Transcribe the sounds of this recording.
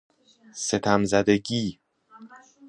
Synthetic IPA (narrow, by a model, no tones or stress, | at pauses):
se̞t̪ʰæmzæd̪e̞ɟiː